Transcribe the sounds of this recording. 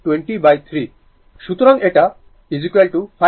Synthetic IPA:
ʈweɳʈibajt̪ʰɾi | ʃut̪ɾɔŋeʈa | ɖid͡ʒikelʈupʰa

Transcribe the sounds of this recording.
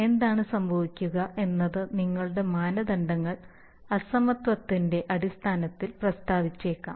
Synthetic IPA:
e̞nd̪aːɳɨsɐmbʱɐʋikʲːuɣɐe̞nːɐðɨniŋːɐɭuɽe̞maːnɐd̪ɐɳɖɐŋːɐɭ | ɐsɐmɐt̪ʋɐt̪ːinde̞ʔɐɽist̪ʰaːnɐt̪ːilprɐst̪aːʋit͡ɕːe̞ːkːa̰ːm

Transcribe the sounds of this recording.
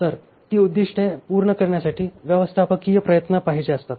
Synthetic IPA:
t̪əɾ | t̪iːud̪ːiʂʈʰepuɾɳəkəɾɳjasaʈʰiːʋjəʋəst̪ʰapəkijəpɾəjət̪nəpaɦid͡ʑeəst̪at̪

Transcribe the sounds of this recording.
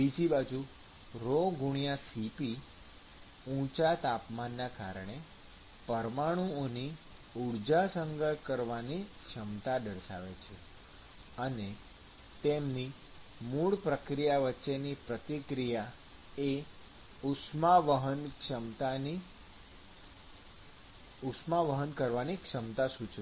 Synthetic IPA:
id͡ʒibad͡ʒu | ɾoɡuɽ̃jasipi | ũt͡ʃat̪apmanːaka̰ɾəɳ̃e | pəɾmaɽ̃ũoni | uɽd͡ʒasəŋɡəɭkəɾʋanikʃəmt̪adəɾʃa̰ʋet͡ʃʰe | əne | t̪emni | muɭpɾəkɾijaʋətːʃenipɾət̪ikɾija | e | usmaʋəɦənkʃəmt̪ani | ʊsmaʋəɦənkəɾʋanikʃəmt̪asut͡ʃ

